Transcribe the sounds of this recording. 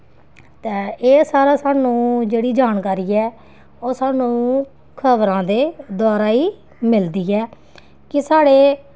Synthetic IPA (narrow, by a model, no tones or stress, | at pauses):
t̪ẽːeːsaːɾaːsaːnũːd͡ʒeːɽiːd͡ʒaːnkaːɾiːɛː | oːsaːnũː | kʰəbɾãːd̪eːd̪aːɾaːiː | mɪld̪iːɛː | kɪsaːɽeː